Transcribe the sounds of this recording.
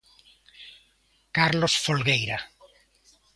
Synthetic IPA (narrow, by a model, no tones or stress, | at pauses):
kaɾlosfolɣejɾa